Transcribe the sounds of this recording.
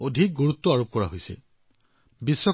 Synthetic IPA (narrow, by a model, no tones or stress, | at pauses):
odʱik̚ɡuɹut̪ːɔaɹop̚kɔɹaɦojsɛ̰ | bisːɔ